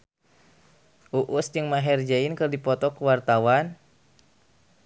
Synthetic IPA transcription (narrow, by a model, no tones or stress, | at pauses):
ʔuʔusd͡ʒɨŋmaɦɛrd͡ʒainkɨrdipɔt̪ɔkəwart̪awan